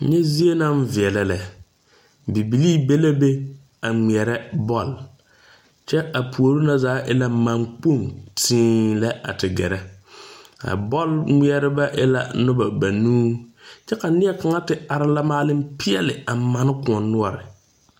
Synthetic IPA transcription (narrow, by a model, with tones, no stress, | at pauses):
ɲɛ˦zi˦e˦na˦ɱ˦vɪ˨ɛ˨lɛ˨lɛ˨ | bi˨bi˨liː˦be˦la˦be˦ | a˨ŋ͡mi˨ɛ˨ɾɛ˦bɔ˦˨l | t͡ʃɛ˦a˨pu˨o˨ɾu˦na˦zaː˨˦ʔɪ˦la˦ma˨ŋk͡po˦˨ŋtʰĩː˦la˦a̰˨tɪ˨ɡɛ̰˨ɾɛ˦ | a̰˨bɔ˦lŋ͡mi˦ɛ˨ɾɪ˦ba˦ʔɛ̰˦la̰˨nʊ˦ba˨ba˨nuː˦t͡ʃɛ˦ka˨nɪ˦ɛ˦ka˨ŋa˦tɪ˨a˨ɾɪ˦la˦maː˦lɪ˦m˦pɪ˦ɛ˦lɪ˨a˨ma˨˦nɪ˦kʊ˨ɔ˨nː˦ʊ˦ɔ˨ɾɪ˨